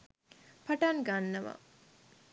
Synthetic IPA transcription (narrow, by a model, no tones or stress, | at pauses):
pɐʈɐŋɡanːɐʋɐ̰